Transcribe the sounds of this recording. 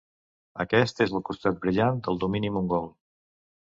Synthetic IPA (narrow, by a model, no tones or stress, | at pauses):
əkɛst̪ezəlˠkust̪at̪̚bɾiʎand̪əlˠd̪uminimuŋɡɔlˠ